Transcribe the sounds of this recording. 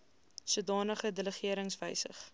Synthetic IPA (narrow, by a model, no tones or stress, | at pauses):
suədɑːnəχədələχiəɾəŋsvəjsə̰χ